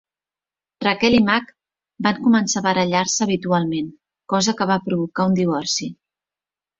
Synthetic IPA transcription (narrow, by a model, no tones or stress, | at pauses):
rakɛlimak | baŋkumənsaβəɾəʎarsəːβit̪ualˠmen | kɔzəkəβ̞apɾuβukaund̪iβ̞ɔrsi